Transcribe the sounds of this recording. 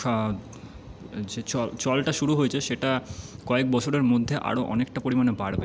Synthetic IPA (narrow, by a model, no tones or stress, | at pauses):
a | d͡ʑet͡ɕɔlt͡ɕɔlʈaʃuɾuɦoet͡ɕʰeʃeʈakɔek̚bɔt͡ɕʰoɾeɾmod̪ʱːeʔa̰ɾoʔɔnekʈapoɾimanebaɽbe